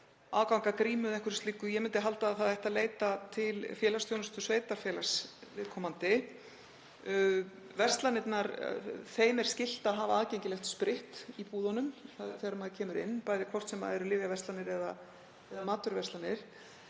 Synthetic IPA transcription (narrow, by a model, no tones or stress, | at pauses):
aːkawŋkakɾiːmʏðɛŋkʰʏɾst̪liːkʏjɛmɪnt̪ɪɦalt̪aːðθaðɛjht̪aleːjt̪at̪ʰɪlfjɛːlast̪jownʏst̪ʏ̥sveːjt̪aɾfjɛːlasvɪðkʰɔmant̪ɪ | vɛrst̪lanɪt̪naɾθeːjmɛɾ̥scɪl̥t̪aðɦaːvaaðcejɲcɪlɛxt̪spɾɪht̪ipuːðɔnʏmθaðθjɛɾʏmaðɪcʰɛːmʏɾɪ̰nːpaːjðɪkʰvɔr̥t̪sɛma̰ðɛɾʏlɪːvjavɛst̪anɪɾɛða̰ | ɛðamaːt̪ʏɾvɛst̪lanɪɾ̥